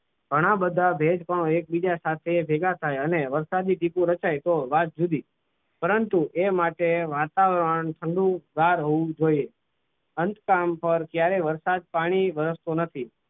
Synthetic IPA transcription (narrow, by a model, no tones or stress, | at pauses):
ɡ̥ʱəɽ̃abəd̪ʱːabʱed͡ʒkəɳoek̚bid͡ʒasat̪ʰebʱeɡat̪ʰajəneʋəɾsad̪iʈipũɾət͡ʃajt̪oʋat̪̚d͡ʒud̪i | pəɾənt̪uʔemaʈeʋat̪aʋɾəɳt̪ʰəɳɖũɡ̪aɾɦoʋũd͡ʒoie | ənt̪kampəɾkjaɾeʋəɾsad̪̚paɽ̃iʋəɾəst̪onət̪ʰi